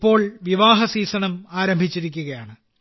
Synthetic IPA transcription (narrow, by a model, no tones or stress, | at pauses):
pːo̞ːɭʋiʋaːɦɐsiːsɐɳɐmaːɾɐmbʱit͡ɕːiɾikʲːuɣɐjaːɳɨ